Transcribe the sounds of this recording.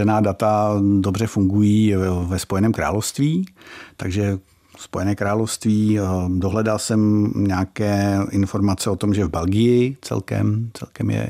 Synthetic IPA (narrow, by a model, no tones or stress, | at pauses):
ɛnaːdat̪ado̞br̝ɛfuŋɡujiːvɛspojɛnɛːmkɾa̰ːlofst̪viːt̪aɡʒɛ | spo̞jɛnɛːkɾaːlofst̪viːdoɦlɛdalsɛmɲɛakɛːʔɪnfo̞ɾmat͡sɛot̪o̞mʒɛvbɛlɡɪjɪt͡sɛ̰lkɛ̰mt͡sɛ̰lkɛmjɛ̰